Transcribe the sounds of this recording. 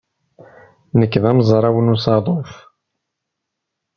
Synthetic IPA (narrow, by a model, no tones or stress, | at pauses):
nəkːðæmzˤɾˤɑwənusɑðˤof